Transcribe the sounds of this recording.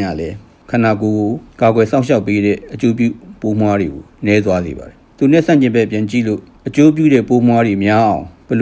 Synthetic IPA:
a̰lɛ | kʰãnakoɡokaɡwɛsãʊ̃ʃaʊpːeɾɛ̰ʔət͡ɕop̬jṵpomwaɾeɡonɛt̪̬wazḛba̰ɾɛt̪unɛ̰sãɲt͡ɕɪ̃mbɛpjãɲt͡ɕḭlo̰ʔət͡ɕop̬jṵɾɛpomwadwemjaʔãʊ̃b̥əl

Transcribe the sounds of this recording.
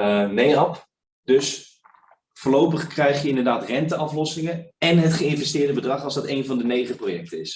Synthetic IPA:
ənejɑp | døs | fəːɹlowpəχkrɛjχjəɪndərdaːtrɛntəɑflɔsɪŋəɛnɦətχəɪnvɛstɪːɹdəbədrɑχɔlˠzdɑtejnvɑndənejχəprojɛk̚təɪs

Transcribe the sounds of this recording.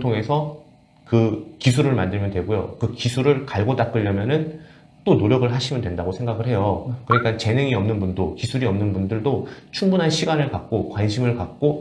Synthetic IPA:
tʰoŋe̞sʰʌ | kɯkisʰuɾɯɭmandɯɭmjʌndwe̞ɡojo̰kɯkisʰuɾɯɭkaɭɡotak͈̚ɯʎːʌmjʌnɯn | t͈onoɾjʌɡɯɭɦaɕʰimɯndwendaɡosʰe̞ŋɡaɡɯɭhe̞jokɯɾʌɲik͈ant͡ɕe̞ne̞ŋiʌmnɯnbundokisʰuɾiʌmnɯnbundɯɭdot͡ɕʰuŋbunɦanɕʰiɡanɯɭkak̚k͈okwanɕʰimɯɭkak̚k͈o

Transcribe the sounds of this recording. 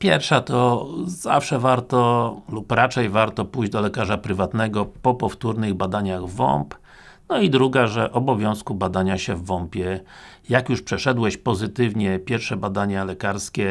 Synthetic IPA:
pʲjɛɾfʂat̪ɔza̰fʂɛvaɾt̪ɔlupɾat͡ʂɛjvaɾt̪ɔpujd͡ʑd̪ɔlɛkaʐapɾɘvat̪nɛɡɔpɔpɔft̪uɾnɘɣbad̪aɲaɣvɔ̰mp | nɔid̪ɾuɡaʐɛʔɔbɔvʲjɔ̃w̃skubad̪aɲaɕɛvːɔmpʲjɛjakjuʂpʂɛʂɛd̪wɛɕpɔzɘt̪ɘvɲɛpʲjɛɾfʂɛbad̪aɲalɛkaɾskʲɛ

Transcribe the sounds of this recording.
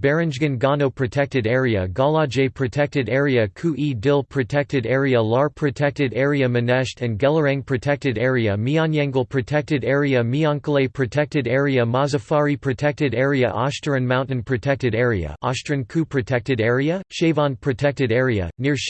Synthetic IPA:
bɛɹɨ̃nd͡ʒɡɨ̃nɡɑnoʊpʰɹ̥ɨtʰɛk̚tɨɾɛɹiɨɡɑlˠɑd͡ʒeɪpʰɹ̥ɨtʰɛk̚tɨɾɛɹiɨkʰuʔidɪlˠpʰɹ̥ɨtʰɛk̚tɨɾɛɹiəlɑɹpʰɹ̥ɨtʰɛk̚tɨɾɛɹiɨmɨnæʃtɨ̃nɡælˠə˞æ̃ŋpʰɹ̥ɨtʰɛk̚tɨɾɛɹiɨmiɑ̃njɛ̃ŋɡl̩ˠpʰɹ̥ɨtʰɛk̚tɨɾɛɹiɨmiɑ̃ŋklˠeɪpʰɹ̥ɨtʰɛk̚tɨɾɛɹiɨmɑzɨfɑɹipʰɹ̥ɨtʰɛk̚tɨɾɛɹiɨ̰ʔɑstə˞ɨ̃nmãʊ̃nʔn̩pʰɹ̥ɨtʰɛk̚tɨɾɛɹiɨ̰ʔɑstɹ̥ɨ̃nkʰupʰɹ̥ɨtʰɛk̚tɨɾɛɹiɨʃeɪvɑ̃npʰɹ̥ɨtʰɛk̚tɨɾɛɹiɨ̰nɪɹʃ

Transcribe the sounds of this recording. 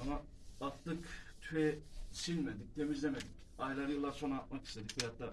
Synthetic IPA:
onaː | t̪ːɯkt̪ʰyɛsilʲmed̪ic̚t̪ʰemizlʲemed̪icajlˠaɾjɯlˠːaɾso̞naːt̪̚makʰi̥st̪ed̪ik̚bejat̪ːa

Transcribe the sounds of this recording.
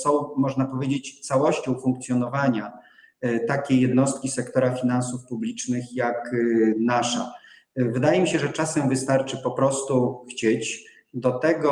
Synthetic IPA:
sɔ̃w̃mɔʐnapɔvʲjed͡ʑet͡ɕt̪sawɔɕt͡ɕɔ̃w̃fuŋkt̪sʲjɔnɔvaɲa | t̪akʲejːɛd̪nɔst̪̚kʲisɛkt̪ɔɾafʲinansufpublʲit͡ʂnɘxjaknaʂa̰ | vɘd̪ajɛmʲiɕɛʐɛt͡ʂasɛmvɘst̪aɾt͡ʂɘpɔpɾɔst̪uxt͡ɕet͡ɕ | d̪ɔt̪ɛɡɔ

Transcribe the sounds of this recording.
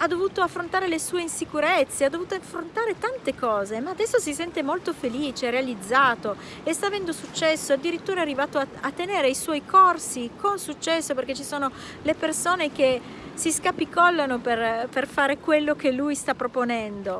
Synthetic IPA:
ad̪ovuːt̪oafːɾont̪aːɾelesuːeinsikuɾet̪sːead̪ːovuːt̪oafːɾont̪aːɾet̪ant̪ekɔːzemaːd̪ɛsːosisɛnt̪emolt̪ofeliːt͡ʃeɾealid̪zːaːt̪o | est̪aːvɛnd̪osut͡ʃːɛsːoad̪ːiɾit̪ːuːɾaɛarːivaːt̪oaat̪ːeneːɾeajswɔjkʰorsikonsut͡ʃːɛsːopeɾrk̟et͡ʃːisoːno | lepersoːnek̟e | siskapikɔlːanoperperfaːɾekwelːok̟elujst̪apːɾoponɛnd̪o

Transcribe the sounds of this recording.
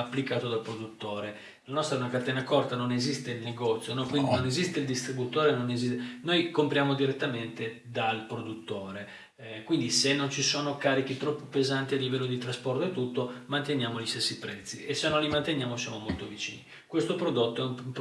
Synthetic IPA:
apːlikaːt̪od̪alpɾod̪ut̪ːoːɾe | lanɔst̪ɾaɛunakart̪ɛːnakɔrt̪anonezist̪eilneɡɔt̪sːjonɔkwind̪inonezist̪eild̪ist̪ɾibut̪oːɾenonezinojkompɾjaːmod̪iɾet̪ːament̪e | d̪alpɾod̪ut̪ːoːɾe | kwind̪isenːont͡ʃisoːnokaːɾik̟it̪ɾɔpːopezant̪ialːivɛlːod̪it̪ɾaspɔrt̪oet̪ːut̪ːomant̪enjaːmoʎist̪esːipɾɛt̪sːiʔesːenːõnlːimant̪enjaːmosjaːmomolt̪ovit͡ʃḭːni | kwest̪opɾod̪ot̪ːoɛummp

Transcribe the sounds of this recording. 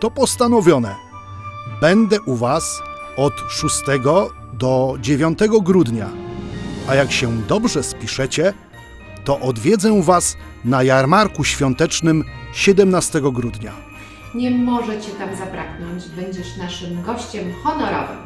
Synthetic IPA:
t̪ɔpɔst̪anɔvʲjɔnɛ | bɛnd̪ɛʔuvas | ɔt̪ʂust̪ɛɡɔ | d̪ɔd͡ʑevʲjɔ̃nt̪ɛɡɔɡɾud̪ɲa̰ | ajakɕɛd̪ɔbʐɛspʲiʂɛt͡ɕɛ | t̪ɔʔɔd̪vʲjɛd̪zɛvas | najaɾmaɾkuɕfʲjɔnt̪ɛt͡ʂnɘmɕɛd̪ɛmnast̪ɛɡɔɡɾud̪ɲa | ɲɛmɔʐɛt͡ɕɛt̪amzapɾaɡnɔɲd͡ʑbɛɲd͡ʑɛʂnaʂɘmɡɔɕt͡ɕɛmxɔnɔɾɔ̰vɨ̰m

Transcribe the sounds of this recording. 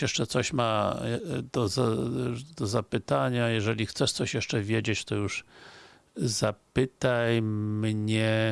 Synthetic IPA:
jɛʂt͡ʂɛt̪sɔɕma | d̪̥ɔzad̪̥ɔzapɘt̪aɲajɛʐɛlʲixt̪sɛʂt̪sɔɕjɛʂt͡ʂɛvʲjed͡ʑet͡ɕt̪ɔjuʂ | zapɘt̪ajmɲɛ

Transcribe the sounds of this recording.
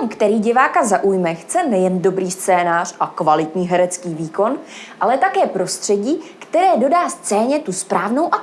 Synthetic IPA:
mkt̪ɛɾiːɟɪvaːkazaʔujmɛxt͡sɛnɛjɛndo̞bɾiːst͡sɛːnaːr̝ʔakvalɪt̪ɲiːɦɛɾɛt͡skiːviːko̞nʔalɛt̪akɛːpɾo̞st̪r̝̥ɛɟiːkt̪ɛɾɛːdo̞daːst͡sɛːɲɛt̪uspɾaːvno̞wʔa

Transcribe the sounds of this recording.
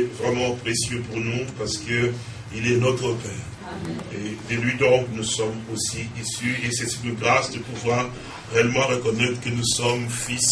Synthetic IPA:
vʁɛmɑ̃pχesjøpuʁnupaʁsə̥kə | ilɛnɔt̪χəpɛːʁ | ed̪əlɥid̪ɔ̃knusɔmosiisyesɛsikəɡʁasd̪əpuvwaʁ | ʁeɛlmɑ̃ʁəkɔnɛt̪χə̥kənusɔmfis

